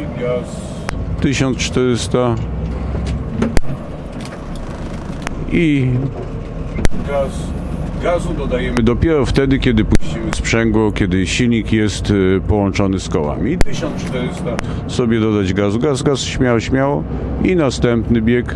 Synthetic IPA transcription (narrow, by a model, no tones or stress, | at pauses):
ɡas | t̪ɘɕɔnst͡ʂt̪ɛɾɘst̪a | i | ɡasɡazud̪ɔd̪ajɛmɘd̪ɔpʲjɛɾɔft̪ɛd̪ɘkʲɛd̪ɘpuɕt͡ɕimɘspʂɛŋɡwɔkʲɛd̪ɘɕilʲɲikjɛst̪pɔwɔnt͡ʂɔnɘskɔwa̰mʲit̪ɘɕɔnt͡ʂt̪ɛɾɪst̪a | sɔbʲjɛd̪ɔd̪ad͡ʑɡazuɡazɡasɕmʲjawɕmʲjaw | inast̪ɛmpnɘbʲjɛk